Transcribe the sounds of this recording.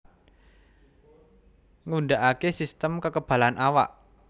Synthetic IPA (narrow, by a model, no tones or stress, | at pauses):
ŋunɖaʔakesist̪əmkəkəb̥a̤lanʔawa̰ʔ